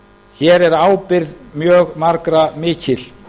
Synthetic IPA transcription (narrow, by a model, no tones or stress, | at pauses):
çɛːɾɛɾaːwpɪɾðmjœːɣmaɾkɾamɪːcʰɪl